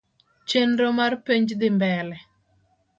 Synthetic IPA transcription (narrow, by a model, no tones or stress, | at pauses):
t͡ʃenɾomarpeɲd͡ʒd̪ɪmbɛlɛ